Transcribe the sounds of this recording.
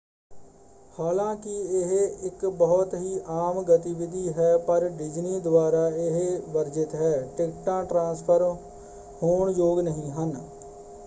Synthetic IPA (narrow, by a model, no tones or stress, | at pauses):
haːlãːkɪiɪɦɪkbəɦʊt̪ɦiːʔaːmɡət̪iʋɪd̪ʱiːɦɛːpəɾɖɪd͡ʒniːd̪ʊwaːɾaːɪɦʋəɾd͡ʒɪt̪ɦɛːʈɪkʈãːʈɾãːspʰəɾ | hoːɳd͡ʒoːɡnəɦĩːɦən